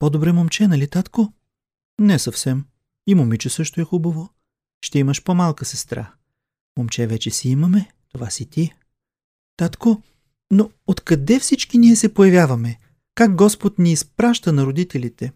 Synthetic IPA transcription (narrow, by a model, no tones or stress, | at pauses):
pod̪obɾɛmomt͡ʃɛnɐlit̪at̪ko | nɛsɐfsɛm | imomit͡ʃɛsɤʃt̪oɛxubəvo | ʃt̪ɛiməʃpomalˠkəsɛst̪ɾa̰ | momt͡ʃɛvɛt͡ʃɛsiiməmɛ | t̪ovasit̪i | t̪at̪ko | no | ot̪kɐd̪ɛfsit͡ʃkiniɛsɛpojɐvʲjavɐmɛ | kaɡ̚ɡɔspot̪niːspɾaʃt̪ənɐɾod̪it̪ɛlit̪ɛ